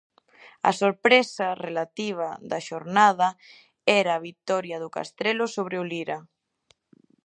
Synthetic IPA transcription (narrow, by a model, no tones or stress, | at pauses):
ɐ̰soɾpɾesarelat̪iβ̞aðaʃoɾnaðɐ | ɛɾaːβit̪ɔɾjaðʊka̰st̪ɾelʊsoβ̞ɾeʊliɾa